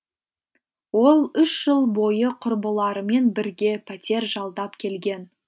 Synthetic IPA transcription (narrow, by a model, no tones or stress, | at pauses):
wo̞lˠʏʃʒ̥əlˠbo̞jəqʰʊɾbəlˠɑɾəme̞nbɪɾɡʲe̞pʰæt̪ʲe̞ɾʒɑlˠd̪ɑpkʲʰe̞lɡʲe̞n